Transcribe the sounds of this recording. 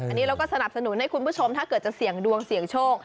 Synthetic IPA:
a˧nːiː˦˥ɾa˧wkɔː˥˩sa˧na˨˩p̚sa˧nu˨˩˦nha˥˩jkʰu˧npʰuː˥˩t͡ɕʰo˧mt̪ʰaː˥˩kɤː˨˩t̪̚t͡ɕa˨˩ksi˨˩˦əŋdu˧əŋsi˨˩əŋt͡ɕʰoː˥˩ŋ̚

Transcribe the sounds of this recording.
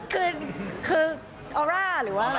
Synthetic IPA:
kɯː˧˩nkʰɯː˧ | ʔɔː˧ɾaː˥˩ɾɯː˩˦waː˥˩

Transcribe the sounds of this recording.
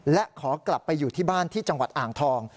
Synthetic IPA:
lɛ˦˥ʔkʰɔː˩˦kla˨˩pːa˧jːuː˨˩t̪ʰiː˥˩baː˥˩nt̪ʰiː˥˩t͡ɕa˧ŋwa̰˨˩t̪̚ʔaː˨˩ŋt̪ʰɔː˧ŋ

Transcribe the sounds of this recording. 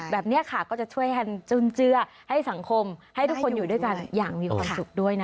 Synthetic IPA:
bɛː˨˩p̚ni˦˥ɐkʰa˥˩kɔː˥˩t͡ɕa˨˩t͡ɕʰu˥˩əjka˧nt͡ɕu˧˩nt͡ɕɯ˧˥ɐ | ha˥˩jsa˩˦ŋkʰo˧mha˥˩jt̪ʰu˦˥kʰo˧njuː˨˩du˥˩jka˧njaː˨˩ŋmiː˧kʰwaː˧m˨su˨˩k̚du˥˩əjna˦

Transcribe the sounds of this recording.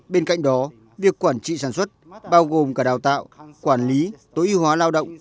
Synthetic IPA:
ɓe˧nka̰˧˨jŋ̟ɗɔ˨˦ | vi˨˩əkːwaː˧˩nt͡ɕḭ˧˨saː˧˩nswə˦˥t̚ɓaː˧wɣo˨˩mkaː˧˩ɗaː˨˩wt̪a̰ː˧˨wkwaː˧˩nli˨˦t̪o˨˦i˨˧˦hɦwaː˨˦laː˧wɗə̰˧˨wŋ͡m

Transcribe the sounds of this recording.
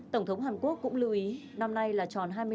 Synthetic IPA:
t̪ə˧˩wŋ͡mt̪ʰwŋ͡mɦaː˨˩nku˦˥ək̚ːʊ̰˧˥ŋ͡mlɨ̰˧˩ʔi˨˦ | na˧mna˧jlaː˨˩t͡ɕɔ˨˩nɦaː˧jmɨ˧

